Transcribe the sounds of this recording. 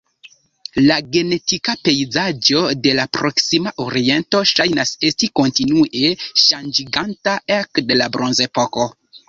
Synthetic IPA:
laɡe̞ne̞tikape̞jzad͡ʒo̞de̞lapɾo̞ksimaʔoɾie̞nto̞ʃajnase̞stiko̞ntinuʔe̞ʃand͡ʒiɡantaekde̞labɾo̞nze̞po̞ko̞

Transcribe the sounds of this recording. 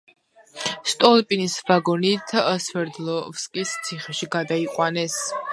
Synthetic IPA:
st̪ʼɔlˠpʼinisvaɡɔnit̪ʰsvɛɾd̪lɔfskʼist̪sʰiχɛʃiɡad̪aiqʼwanɛs

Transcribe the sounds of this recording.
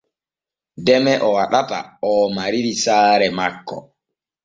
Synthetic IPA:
dɛmɛʔɔwaɗata̰ɔːmaɾiɾisaːɾɛmakːɔ̰

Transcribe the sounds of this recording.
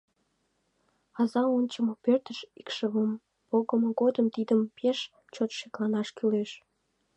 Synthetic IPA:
ɑzɑonʲt͡ɕəmopørt̪əʃikʃəβəm | poɣəmoɣod̪əmt̪id̪əmpeʃ | t͡ɕot̪ʃeklɑnɑʃkyleʃ

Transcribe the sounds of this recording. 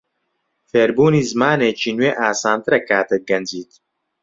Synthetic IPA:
feːɾbuːniːzɨmaːneːt͡ʃiːnweːʔaːsaːnt̪ɨɾɛkaːt̪ɨɡɐnd͡ʒiːt̪

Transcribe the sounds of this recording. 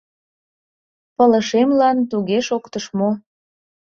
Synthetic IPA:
pələʃemlɑnt̪uɣeʃokt̪əʃmo

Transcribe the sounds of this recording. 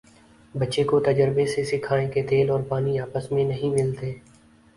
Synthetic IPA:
bətːʃekot̪əd͡ʒəɾbesesɪkʰaːẽket̪eːlɔːɾpaːniaːpəsmẽnəɦĩmɪlt̪eː

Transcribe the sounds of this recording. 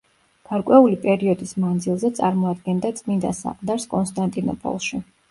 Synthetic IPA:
ɡ̥aɾkʼwɛulipʼɛɾiɔd̪ismand̪zilˠzɛt̪sʼaɾmɔad̪ɡɛnd̪at̪sʼmind̪asa̰qʼd̪aɾskʼɔnst̪ʼant̪ʼinɔ̰pʼɔ̰lˠʃi

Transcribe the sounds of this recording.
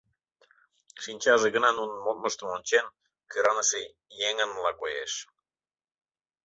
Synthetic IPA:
ʃinʲt͡ɕɑʒeɣə̆nɑnunəmot̪̚məʃt̪ə̆monʲt͡ɕen | keɾɑnəʃe | jeŋə̆nlɑkojḛʃ

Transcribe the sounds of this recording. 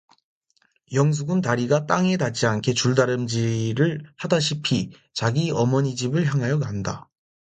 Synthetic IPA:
jʌŋs̬ʰuɡɯntaɾiɡat͈aŋe̞dad͡ʑiankʰe̞t͡ɕuɭdaɾɯmd͡ʑiɾɯɭhadaɕʰipʰi | t͡ɕaɡiʌmʌɲid͡ʑibɯɭçjaŋɦajʌkanda

